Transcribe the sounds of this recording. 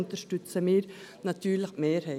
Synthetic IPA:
nt̪əʂʈʉt̪səmiːɾnɑt̪ʰyːɾɭəkmeːɾhœ

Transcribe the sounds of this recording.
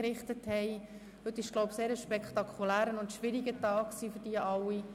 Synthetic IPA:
ɾɪχt̪əthɛɪ | hɵt̪ːɪʃɡ̥loʊbseːɾəʃpɛkχt̪ɑkʰχulæːɾənʊntʃʋɪɾiɡətɑːkksiːfʏɾd̥iəʔɑwi

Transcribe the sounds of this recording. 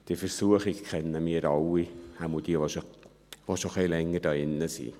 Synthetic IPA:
d̥iːfəɾsuəχɪɡkʰχɛnːəmiːɾɑwihamud̥iəvoʃo | voʃoχɛːlɛŋːəɾd̥ɑːɪnːəsḭː

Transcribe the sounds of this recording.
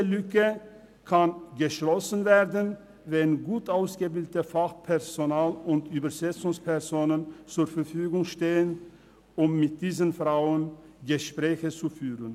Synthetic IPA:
əlʏkə | kʰanɡəʃlɔsn̩veːʁdən | vɛnɡuːtaʊsɡ̥əbɪldətəfaχpʰɛʁzonaːlʊntyːbɐzɛt͡sʊŋspʰɛʁzoːnənt͡suːɐfɛɐfyːɡʊŋʃteːən | ʊmːɪt̚d̥iːzənfʁaʊənɡəʃpʁ̥ɛːçət͡sufyːʁən

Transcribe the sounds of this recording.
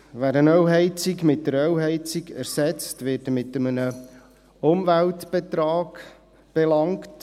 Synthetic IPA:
ʋæɾənœwɦɛɪt͡sikmɪt̚dəɾœwɦɛɪt͡siɡæɾsɛt͡stʋɪːtəmɪtːəmənə | ʊmvæltb̥ɛt̪ɾɑːɡ | b̥ɛlɑŋkt

